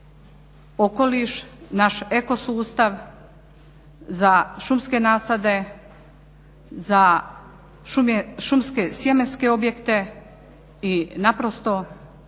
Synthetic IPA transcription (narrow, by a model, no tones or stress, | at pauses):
oko̞liʃnaʃeko̞suːst̪aʋ | zaʃumske̞naːsad̪e̞ | za | ʃumjeʃumskesjemenske̞o̞bje̞kt̪e̞ | inapɾo̞st̪o̞